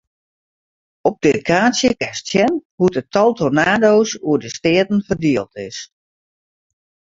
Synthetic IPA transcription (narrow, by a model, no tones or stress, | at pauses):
ɔp̚dɪkʰaːsjəkɛstjɛnhutətʰɔlˠtonaːdoːsuədəstɪətn̩fərdiəlˠtɪs